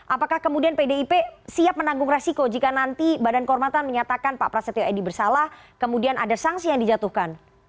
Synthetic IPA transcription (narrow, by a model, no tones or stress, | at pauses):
ʔapakahkəmudianpedeipesiap̚mənaŋɡʊŋresikod͡ʒikanant̪ibadankəɔrmat̪anməɲat̪akanpa̰ʔpɾasat̪oedibərsalah | kəmudiana̰dasaŋsijaŋdid͡ʒat̪uhkan